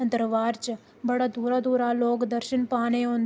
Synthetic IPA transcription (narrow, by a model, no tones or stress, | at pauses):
ənd̪əɾʋaːɾt͡ʃ | bɐɽaːd̪ʱuːɾaːd̪ʱuːɾaloːkd̪əɾʃɪnpaːneõːn